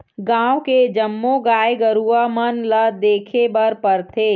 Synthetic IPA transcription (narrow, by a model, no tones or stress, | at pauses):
ɡãːwked͡ʒəmːoɡaːjɡəɾuamənlɐd̪eːkʰebəɾpəɾt̪ʰeː